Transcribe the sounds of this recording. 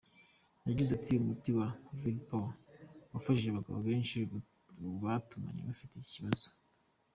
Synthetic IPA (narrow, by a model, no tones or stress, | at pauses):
jaɟizatiumutiwavilpolwafaʃiʒaβaɡa̰βo̰βe̞ːnʃi | βatuma̰ɲḛβafiteiciβazo̥